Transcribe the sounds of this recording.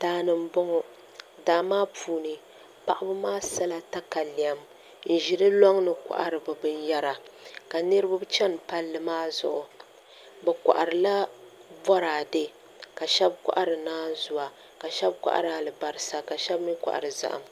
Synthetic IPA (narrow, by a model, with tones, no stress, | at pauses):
taː˦nɨ˨m˦bɔ˦ŋɔ˨ | daː˨maː˦puː˨nɨ˨ | pa˦˨ʔa˦bɨ˦maː˦sa˦la˨ta˦ka˨li˨a˨m | n̩˨ʒi˨ɾɨ˦lɔ˦ŋnɨ˨kʷa̰˨ʔa˨ɾɨ˨bɨ˨bɨ˦njɛ˦ɾa˨ka˨nɨ˦ɾɨ˦ba˦bt͡ʃɛ˦n˨pa˦lːɨ˨maː˦zʊ̰˨ʔʊ˨ | bɛ˨kʷa̰˨ʔa˨ɾɨ˨la˦bɔ˦ɾaː˨de˦ | ka˨ʃɛ˦bkʷa̰˦ʔa˦ɾɨ˨naː˦zʊ˨wa˨ | ka˨ʃɛ˦bkʷa̰˦ʔa̰˦ɾɨ˨a˨lɨ˨ba˨ɾɨ˨sa˨ka˨ʃɛ˦bmi˦kʷa̰˨ʔa̰˨ɾɨ˨za̰˦ʔa̰˨m